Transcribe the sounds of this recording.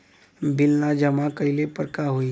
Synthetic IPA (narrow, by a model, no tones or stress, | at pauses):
bɪlnad͡ʒəmakəɪlepəɾkaɦoi